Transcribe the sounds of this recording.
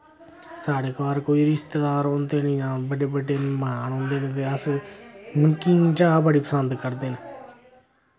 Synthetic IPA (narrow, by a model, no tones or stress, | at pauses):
saːɽeːkʋaːɾkoːiːɾɪst̪eːd̪aːɾõːnd̪eːnẽːjãːbəɖeːbəɖeːmaːnɔ̃ːnd̪eːnẽːt̪eːəs | məŋkiːŋt͡ʃaːbəɽiːpəsənd̪kəɾd̪eːne